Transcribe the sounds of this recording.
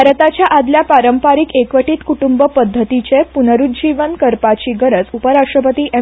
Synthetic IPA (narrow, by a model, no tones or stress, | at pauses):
aɾət̪at͡ɕjaʔad̪ljapaɾəmpaɾikekʋəʈiːt̪kuʈumbəpəd̪ʱːət̪it͡ɕepunəɾut̪d͡ʑiʋənkəɾpat͡ɕiːɡəɾət͡supəɾaʂʈɾəpət̪iːʔe